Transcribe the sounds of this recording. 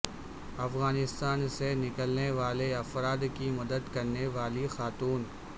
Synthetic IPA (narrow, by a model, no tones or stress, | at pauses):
ɐfɣaːnɪst̪aːnsenɪkəlneʋaːleɐfɾaːd̪kimɐd̪əd̪kɐɾneʋaːlixaːt̪uːn